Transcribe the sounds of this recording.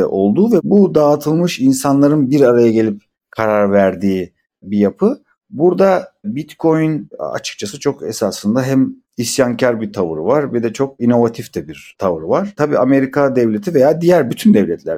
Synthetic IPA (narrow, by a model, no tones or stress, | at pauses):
ʔo̞lˠd̪uːvɛbud̪aːt̪ʰɯlˠmɯʃinsanlˠaɾɯnbiɾaɾajaɟe̞lʲip | kʰaɾaɾvæɾd̪iː | bijapʰɯ | buɾd̪abit̪kʰo̞jyna̰t͡ʃʰɯ̥k̚t͡ʃʰasɯt͡ʃʰo̞kesasɯnd̪aɦɛm | isjaŋcʰaɾbit̪ʰavɯ̰ɾɯ̰vaɾbɛd̪ɛt͡ʃʰo̞k̚ino̞vat̪ʰift̪ʰɛbiɾt̪ʰavɯɾɯvaɾ̥t̪ʰabḭːame̞ɾikʰad̪ɛvlʲe̞t̪ʰive̞jaːd̪ijæɾbyt̪ʰynd̪ɛvlʲɛt̪ʰlʲæ̰ɾ